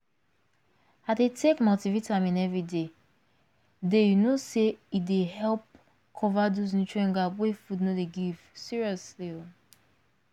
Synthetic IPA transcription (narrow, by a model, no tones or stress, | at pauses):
adetʰekmativitʰãɪ̃mĩnɛvɹide | dejunoseidehɛlp̚ | kʰɔvadoz̬nut͡ʃuɛ̃ŋɡabwefudnodeɡiv̥siɹiɔslio